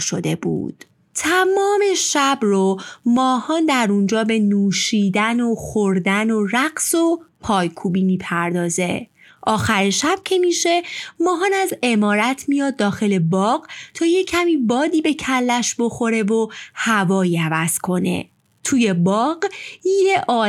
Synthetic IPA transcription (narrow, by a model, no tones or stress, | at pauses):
ʃo̞d̪e̞̰bṵːd̪̥ | t̪ʰæmɒːme̞ʃæbromɒːhɒːnd̪æɾund͡ʒɒːbe̞nuːʃiːd̪ænoxoɾd̪ænoræɢso̞pʰɒːjkʰuːbiːmiːpʰæɾd̪ɒːze̞ | ʔɒːxæɾiʃæb̥̚cʰe̞miʃe̞mɒːɦɒːnæze̞mɒːɾæt̪ʰmijɒːd̪̚ːɒːxe̞le̞bɒːɢt̪ʰɒːje̞cʰæmiːbɒːd̪iːbe̞cʰælːæʃbo̞xo̞ɾe̞vohævɒːjiævæz̥kʰo̞ne̞̰ | t̪ʰuːje̞bɒːɢjeʔɒː